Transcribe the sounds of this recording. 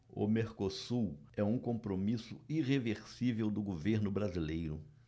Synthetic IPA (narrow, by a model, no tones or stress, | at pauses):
ʊ̰meɾkosuɛũkõpɾomisʊiʁeveɾsivewd̪ʊɡoveɾnʊbɾazilejɾʊ